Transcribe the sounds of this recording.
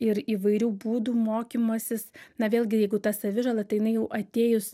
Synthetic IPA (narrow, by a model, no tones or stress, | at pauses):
ɪɾiːʋɐɪɾʲuːbuːd̪uːmoːkʲimoːsʲɪsnɐʋʲeːlʲɡʲɪjɛɪɡʊt̪ɐsɐʋʲɪʒɐlˠɐt̪ɐɪjɪnɐɪjɛʊʔɐt̪ʲeːjʊs